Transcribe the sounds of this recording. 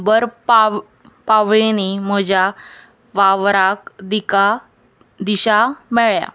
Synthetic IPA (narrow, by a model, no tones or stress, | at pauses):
bəɾpa | paʋɭenim̤əd͡ʑa | ʋaʋɾakd̪ika | d̪iɕamɛɭja̰